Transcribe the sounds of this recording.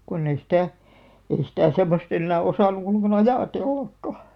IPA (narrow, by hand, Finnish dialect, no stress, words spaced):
konː ei sĭtæˑ ei sitæˑ semːost enːæː osɑˑnˑu olˑĕŋkɑˑn ɑjɑˑtelːɑkːɑ